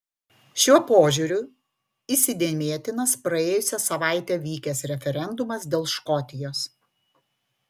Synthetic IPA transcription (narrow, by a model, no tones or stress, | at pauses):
ʃʲuɔpoːʒʲʊɾʲʊ | isʲɪd̪ʲeɛmʲeɛt̪ʲɪnɐspɾɐeːjʊsʲɛsɐʋɑˑɪt̪ʲɛːʋʲiːkʲɛsɾʲɛfʲɛɾʲɛnd̪ʊmɐsd̪ʲeːlˠʃkɔt̪ʲɪjoːs